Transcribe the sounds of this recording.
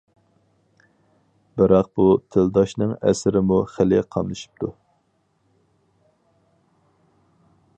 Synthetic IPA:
bɨɾɑq̚b̥ut̪ʰɪld̪ɑʃnɨŋɛ̰sɪɾɪmuχɪlɪqʰɑmlˠɨʃi̥p̚t̪ʰu

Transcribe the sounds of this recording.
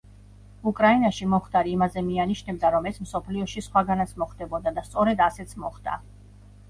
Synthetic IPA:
ukʼɾainaʃimɔmχt̪aɾiːmazɛmianiʃnɛb̚d̪aɾɔmɛsmsɔpʰliɔʃisχwaɡanat̪sʰmɔχd̪ɛbɔd̪ad̪ast̪sʼɔɾɛd̪asɛt̪sʰmɔχd̪̥a̰

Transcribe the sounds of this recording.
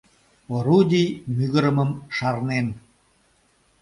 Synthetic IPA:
oɾud̪ʲijmyɣə̆ɾə̆mə̆mʃɑrnen

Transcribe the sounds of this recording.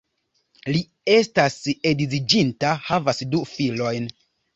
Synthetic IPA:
li | e̞stasedizid͡ʒintahavasdufilo̞jn

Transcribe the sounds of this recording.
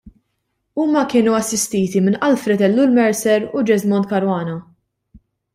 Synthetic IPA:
uːmɐkɪːnuɐsːɪst̪iːt̪imɪnʔɐlfɾɛt̪ɛlːulmɛɾsɛɾud͡ʒɛzmɔnt̪̚kɐɾwɐːnɐ

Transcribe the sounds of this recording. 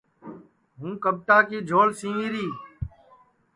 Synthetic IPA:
ɦũːkəb̚t̪aːkiːd͡ʒʱoːlsĩːiːɾiː

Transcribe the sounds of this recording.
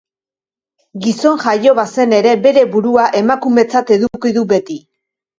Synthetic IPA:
ɡiso̞ŋʝajo̞βase̞ne̞ɾe̞be̞ɾe̞βuɾuaʔe̞makume̞t͡sat̪e̞ðukiðuβe̞t̪i

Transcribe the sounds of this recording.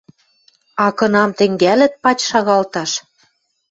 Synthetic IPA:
ɑkɤ̆nɑmt̪ĕŋɡælɘ̆t̪̚pɑt͡ɕʃɑɣɑlt̪ɑʃ

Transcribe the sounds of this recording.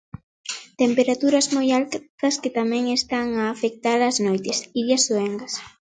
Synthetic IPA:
t̪empeɾat̪uɾɐzmojalt̪ɐsket̪amɛ̃ŋest̪aŋaːfek̚t̪aɾaznojt̪ɪsiʎɐsoeŋɡɐs

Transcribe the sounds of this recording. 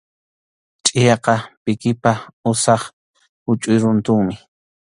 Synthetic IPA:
t͡ʃʼɪjɑqɑpɪkɪpaʊsɑχ | ʊt͡ʃʼʊjɾʊnt̪ʊŋmɪ

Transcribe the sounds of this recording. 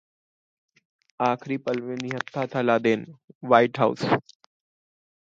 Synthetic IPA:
aːkʰɾiːpəlʋeniɦət̪ʰːat̪ʰɐlad̪eːnʋaiʈɦa̰us

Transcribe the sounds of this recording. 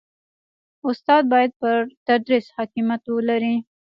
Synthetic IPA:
ʊst̪ɑd̪̚bɑjad̪̚pəɾt̪ad̪ɾishɑkimat̪wəlaɾi

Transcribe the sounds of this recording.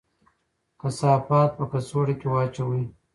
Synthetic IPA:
kasɑːfɑːt̪̚pəkɐsoɽikewɑːt͡ʃawi

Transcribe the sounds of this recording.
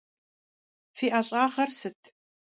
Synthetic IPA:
fiːʔaːɕʼaːʁɐrsɨtʰ

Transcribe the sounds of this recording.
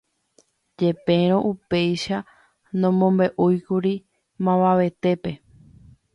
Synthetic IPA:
d͡ʒe̞pẽ̞ɾ̃õ̞ʔupe̞jʃa | nõmõ̞mbe̞ʔujkuɾi | mãmaʋe̞t̪e̞pe̞

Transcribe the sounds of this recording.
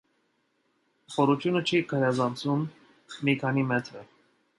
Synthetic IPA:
χɔɾut͡ʃ̪ʰjunət͡ʃʰikʰəɾɑzɑnt͡sʰumː | ikʰɑnimɛt̪ɾə

